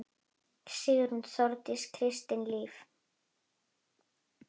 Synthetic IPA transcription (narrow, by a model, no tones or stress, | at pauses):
sɪːɣðʏɾ̥hunθɔɾt̪ɪskʰɾɪst̪ɪnliːf